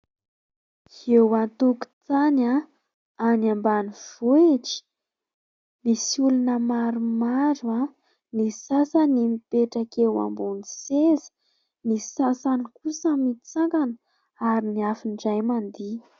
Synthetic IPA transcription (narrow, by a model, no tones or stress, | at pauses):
hewant̪uku̥t͡sana | anambaniv̥oeʈ͡ʂi̥ | misiulunəmaɾumaɾua | nisasanimipeʈ͡ʂakewa̰mbonisezi̥ | nisasanikusəmit͡saŋkanə̥ | aɾiniafiɳɖ͡ʐajmand̪i